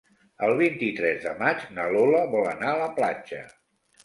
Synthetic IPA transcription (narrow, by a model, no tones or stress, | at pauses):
əlˠβ̞int̪it̪ɾɛzðəmad͡ʒnəloləβɔlənaələpla̰d͡ʒə̰